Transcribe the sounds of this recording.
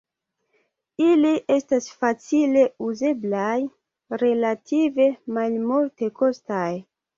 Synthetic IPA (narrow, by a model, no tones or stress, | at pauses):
iliʔe̞stasfat͡sile̞uze̞blaj | ɾe̞latʰive̞malmulte̞kostaj